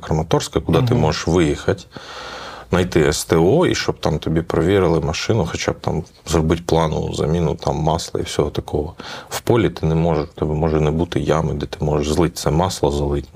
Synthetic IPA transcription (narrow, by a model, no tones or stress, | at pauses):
kɾɐmɐt̪ɔrskɐkʊd̪ɑt̪ɪmɔʒeʃʋɪjixɐtʲ | nɐjt̪ɪɛst̪eɔḭʃt͡ʃɔb̚t̪ɑmt̪ɔbʲipɾɔʋʲiɾɪlˠɪmɐʃɪnʊxɔt͡ʃab̚t̪ɑ̰m | zrɔbɪtʲplˠɑnʊ̰ʊ̰zɐ̰mʲinʊt̪ɑmːɑslˠɐ̰ḭwsʲɔɦɔt̪ɐkɔɦɔwpɔlʲit̪ɪnɛmɔʒɛʃt̪ɔbɛmɔʒɛnɛbut̪ɪjamɪd̪ɛt̪ɪmɔʒɛʒzlˠɪt̚ʲt̪sɛmɑslˠɐzɐlˠɪtʲ